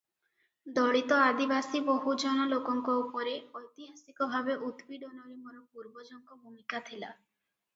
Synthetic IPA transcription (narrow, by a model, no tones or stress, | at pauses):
d̪ɔɽit̪ɔad̪ibasiboɦud͡ʒɔnɔlokɔŋkɔupɔɾeɔjt̪iɦasikɔbʱabeʔut̪biɖɔnɔɾimɔɾɔpuɾbɔd͡ʒɔŋkɔbʱumikat̪ʰila̰